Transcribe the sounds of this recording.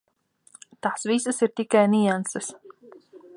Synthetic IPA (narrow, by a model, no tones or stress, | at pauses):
t̪asviːsɨsiɾt̪ʲikajnijansɨs